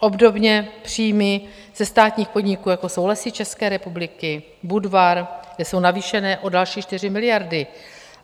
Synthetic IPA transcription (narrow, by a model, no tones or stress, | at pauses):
ʔo̞bdo̞bɲɛpr̝̥iːmɪ | z̥ɛst̪aːt̪ɲiːxpo̞dɲɪkuːjako̞sowlasiːt͡ʃɛskɛːɾɛpublɪkɪ | budvaɾɡdɛso̞wnaviːʃɛnɛːʔo̞dalʃiːt͡ʃt̪ɪr̝ɪmɪlɪjaɾdɪ